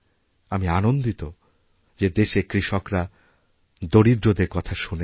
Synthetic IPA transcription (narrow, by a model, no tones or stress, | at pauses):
amianond̪it̪o | d͡ʑed̪eʃekɾiʃɔkɾa | d̪oɽid̪ɾod̪eɾkɔt̪ʰaʃune